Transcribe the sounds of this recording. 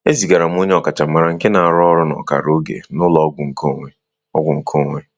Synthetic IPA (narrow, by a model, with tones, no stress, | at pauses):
e˦zi˨ɡa˨ɾa˨m˦o˦ɲe˦ɔ˨ka˨t͡ʃa˨ma˨ɾa˨ŋ̩˦ke˦na˨a˨ɾɔ˦ɾʊ˦nɔ̰˨ka̰˨ɾo˦ɡḛ˨nʊ˦lɔ˨˦ɡʷʊ˨ŋ̩˨ko˦ŋʷe˦ | ɔ˦ɡʷʊ˨ŋ̩˨kʰo˦ŋʷe˦